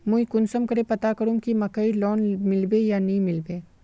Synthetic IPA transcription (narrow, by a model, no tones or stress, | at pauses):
mʊ̃ĩkʊnsəmkɐɾepɐt̪akɐɾũkimɐkəilɔːnmɪlbejanɐɦĩmɪlbeː